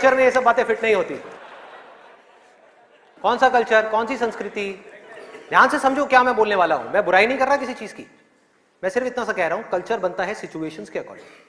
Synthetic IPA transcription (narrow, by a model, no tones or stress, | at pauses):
kt͡ʃəɾmẽjesɐbːaːt̪ẽfɪʈnɐɦĩɦoːt̪ḭ | kɔːnsakɐlt͡ʃəɾkɔːnsisɐ̃nskɾɪt̪i | d̪ʱjaːnsesɐ̃md͡ʒʱokjaːmɛ̃boːlneʋaːlaɦṵ̃ːmɛ̃ːbʊɾaːinɐɦĩkɐɾːaːkɪsit͡ʃiːzkḭː | mɛ̃ːsɪɾəfɪt̪nasakɛɦɾɐɦũkɐlt͡ʃəɾbɐnt̪aɦɛsɪt͡ʃueːʃənskeɐkɔ̰ːlʈɪ